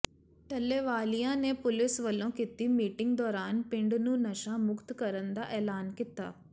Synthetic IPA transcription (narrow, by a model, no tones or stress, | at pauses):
ʈɐlːeʋaːlijaːneːpulisʋɐlːõkit̪ːimiːʈiŋɡ̚d̪ʋɐːɾaːnpiɳɖununɐʃamukt̪kɐɾɐnd̪aʔelaːnkit̪ːa̰ː